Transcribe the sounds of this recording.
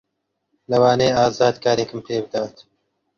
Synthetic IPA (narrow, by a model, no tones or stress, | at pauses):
lɐwɑːneːaːzɑːd̪kaːɾeːkɨmpʰeːbɨd̪awt̪